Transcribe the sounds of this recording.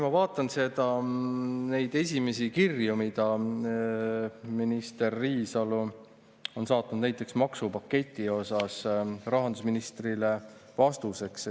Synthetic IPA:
mɑvɑːt̪ːˑɑnse̞d̪̥ɑ | ne̞jd̪̥e̞sʲime̞sikirjumid̪̥ɑ | minist̪e̞rːiːsɑlu | o̞nsɑːt̪ːˑnud̪næjt̪ˑːe̞ksmɑksupɑkːe̞t̪ʲːˑio̞sɑsrɑɦɑnd̪usminist̪rile̞vɑst̪use̞ks

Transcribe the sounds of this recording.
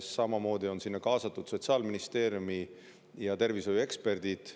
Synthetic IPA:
sːɑmɑmo̞ːd̪̥io̞nsinːɑkɑːsɑt̪ːˑud̪̥so̞t̪sɑːlminist̪e̞ːɾjumi | jɑt̪e̞rvisojue̞kspe̞rd̪̥id̪̥

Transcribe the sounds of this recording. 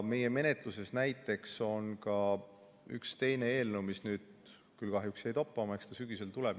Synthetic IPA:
me̞je̞me̞ne̞t̪ˑluse̞snæjt̪ːˑe̞kso̞nkɑ | y̰kst̪e̞jne̞e̞ːlnəwmisnyːd̪̥̚ | kylkɑɦjuksejt̪ɑpːˑɑmɑekst̪ɑsyɡ̥ise̞lt̪uleb̥

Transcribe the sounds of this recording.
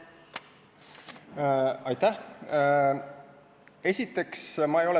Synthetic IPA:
ɑjt̪ːæh | e̞sʲit̪ːˑe̞ksmɑejo̞lɛ

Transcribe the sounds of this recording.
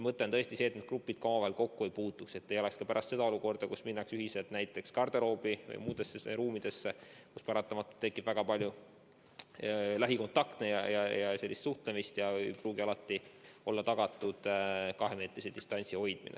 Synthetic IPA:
mɤt̪ːˑent̪ɤest̪ise̞ːt̪ned̪̥̚krupːˑid̪̥kɑmɑvɑhelko̞kːue̞jpuːt̪ːˑukse̞t̪ːe̞jo̞le̞kskɑpæɾʔɑst̪se̞d̪ɑo̞luko̞rd̪̥ɑkusminːɑksyɦise̞lt̪næjt̪ːˑe̞kskɑrd̪̥elo̞ːbivɤ̰jmuːd̪e̞sːeɾuːmid̪̥e̞sːekuspɑɾɑt̪ːˑɑmɑt̪ːˑut̪ːekːib̥væɡ̥ɑpɑlʲju | læɦiko̞nt̪ɑkt̪nejɑjɑjɑse̞lːist̪suht̪le̞mist̪jɑejpruːɡiɑlɑt̪ˑːio̞lːɑt̪ɑɡ̥ɑt̪ːˑud̪̥kɑɦe̞meːt̪ɾised̪ist̪ɑnʲt̪siho̞jd̪̥mḭnḛ

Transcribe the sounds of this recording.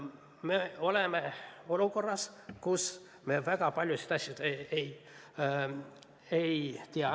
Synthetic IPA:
meo̞lemeo̞luko̞rːɑskus | mevæɡɑpɑlʲjusit̪ɑsʲjɑt̪eej | ejt̪iɑ

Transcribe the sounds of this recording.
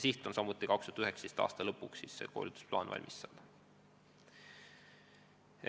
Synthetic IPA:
siht̪ˑonsɑmut̪ːˑikɑkst̪ut̪yhekst̪est̪ɑ̰ːst̪ɑlɤpːˑukssisːḛko̞̰ːlid̪u̥splɑ̰ːnvɑ̰lʲmʔisːɑl

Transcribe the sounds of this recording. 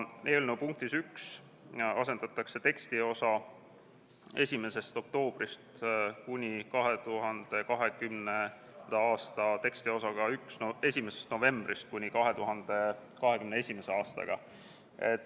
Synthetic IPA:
ʔeːlnewpuŋk̚t̪isyks | ɑse̞nd̪̥ɑt̪ːˑɑkse̞t̪e̞kst̪io̞sɑ | e̞sʲime̞se̞st̪o̞k̚t̪o̞ːb̥rist̪kunʲikɑɦe̞t̪uɦɑnd̪̥e̞kɑɦe̞kymne | d̪̥ɑɑːst̪ɑt̪e̞kst̪io̞sɑɡ̥ɑyksnoe̞sʲimesest̪no̞ve̞mb̥rist̪̚kunʲikɑɦe̞t̪uɦɑnd̪̥e̞kɑɦe̞kymneesʲime̞se̞ɑːst̪ɑ̰ɡ̥ɑ̰ | e̞̰t̪ːˑ

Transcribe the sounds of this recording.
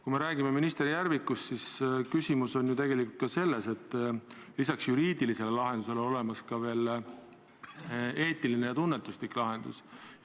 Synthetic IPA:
kume̞ɾæːɡ̥ime̞minist̪e̞ɾijærvikːˑust̪siskysimuso̞nʲːjut̪e̞ɡ̥e̞likˑult̪kɑse̞lːe̞se̞t̪ˑː | lisɑksjuɾiːd̪̥ilise̞lelɑɦe̞nd̪use̞leo̞le̞mɑskɑve̞ːl | e̞ːt̪ːˑiline̞jɑt̪unːe̞t̪ːˑusliklɑɦe̞nd̪̥ṵs

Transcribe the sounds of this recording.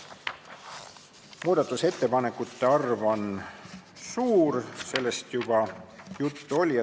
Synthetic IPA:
muːd̪̥ɑt̪ːˑuse̞t̪ːe̞pɑne̞kːˑut̪ːe̞ɑrvo̞n | suːɾse̞lːe̞st̪jub̥ɑjut̪ːuo̞lʲjɑ

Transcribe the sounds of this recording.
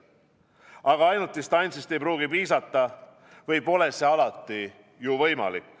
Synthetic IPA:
ɑɡ̥ɑɑjnut̪ːist̪ɑnʲt̪sist̪e̞jpɾuːɡ̥ipiːsɑt̪ːˑɑ | vɤjpo̞le̞se̞ɑlɑt̪ːˑi | juvɤjmɑ̰lḭkːˑ

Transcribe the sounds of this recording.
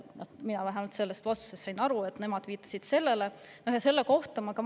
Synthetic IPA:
nominɑlæɦemult̪se̞lːest̪vɑsu̥sest̪ːɑjnɑɾue̞t̪ne̞mɑd̪̥viːt̪ˑːɑ̥sid̪̥se̞lːe̞le̞nohjɑse̞lːeko̞ht̪ɑmɑkɑ

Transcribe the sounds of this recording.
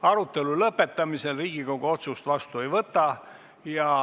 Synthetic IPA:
ɑɾut̪ːˑe̞lulɤpːe̞t̪ːˑɑmise̞lriːɡ̥ikoɡ̥oo̞t̪sust̪vɑst̪ue̞jvɤt̪ːˑɑ | jɑ

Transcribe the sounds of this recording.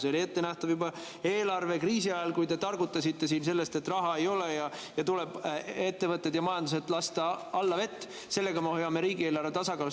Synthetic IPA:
seo̞lʲie̞t̪ːe̞næht̪ɑvjubɑ | e̞ːlɑrve̞kriːsiɑjɑlkujt̪e̞t̪ɑrɡut̪ˑːɑsʲit̪ːe̞siːnse̞lːe̞st̪e̞t̪ːˑrɑɦɑe̞jo̞le̞jɑjɑt̪ulebe̞t̪ːe̞vɤt̪ːˑe̞d̪̥jɑmɑjɑnd̪use̞t̪ˑlɑst̪ɑɑlːɑve̞t̪ːˑ | se̞lːe̞ɡɑmehojɑme̞ɾiːɡieːlɑrve̞t̪ɑsɑkɑːlu

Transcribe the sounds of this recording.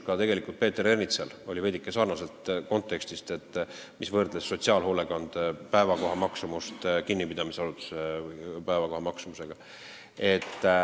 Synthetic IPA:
kɑt̪e̞ɡe̞likult̪̚pe̞ːt̪ːeɾe̞rnit̪selo̞lʲive̞d̪ikːˑesɑːrnɑse̞lt̪ko̞nt̪ːˑe̞kst̪ist̪e̞t̪ˑːmisvɤrd̪lesːo̞t̪siɑːlɦo̞ːle̞kɑnd̪̥pæevɑko̞ɦɑmɑksumust̪kinːipid̪̥ɑmisɑɾut̪ːˑu̥sepæevɑko̞hɑmɑksumuse̞ɡ̥ɑ | e̞t̪ː

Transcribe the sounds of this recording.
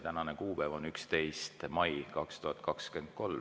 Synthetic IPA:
t̪ænɑnekuːpevo̞nykst̪e̞jst̪mɑjkɑkst̪uhɑt̪̚ːˑkɑkske̞nd̪̥̚ko̞l

